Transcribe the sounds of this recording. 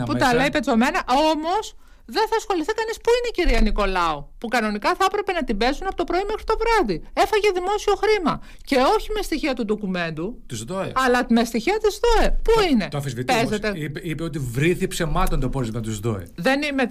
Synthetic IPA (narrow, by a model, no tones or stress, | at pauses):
put̪ɐleipe̞t͡so̞menɐʔo̞mo̞s | ðe̞nθɐsxo̞liθikɐnispuineiciɾiɐniko̞lɐopukɐno̞nikɐθɐepɾe̞pe̞nɐt̪ibe̞zunɐpo̞t̪opɾo̞imexɾit̪o̞vɾɐðie̞fɐʝe̞ðimo̞sio̞xɾimɐ | ce̞o̞çime̞st̪içiɐt̪uðo̞kume̞nd̪ut̪uzðoḛɐlɐmest̪içiɐt̪izðo̞epuine̞t̪oɐfizvit̪pezet̪eipeot̪ivɾiθipse̞mɐt̪ont̪opozmɐt̪uzðo̰ḛðe̞nime